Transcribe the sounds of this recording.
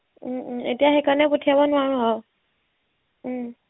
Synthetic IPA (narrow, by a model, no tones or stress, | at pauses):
m̩ḛtijaxekaɹnɛpotʰijabɔnʊaɹʊ̃ɦɔ